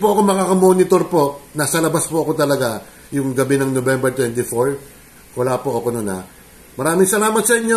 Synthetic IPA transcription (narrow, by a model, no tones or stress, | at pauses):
pʊʔɐkomɐkakɐmo̞nɪt̪o̞ɾpo̞ʔnɐsɐlɐbaspoʔɐko̞t̪ɐlɐɡa | jʊŋɡɐbinɐŋnobɛmbɛɹt̪wɛnt̪ɪfoɹ | kolaːpoʔɐko̞nunɐ̰ | mɐɾaːmɪŋsɐlaːmɐt̪̚sɐɪɲːo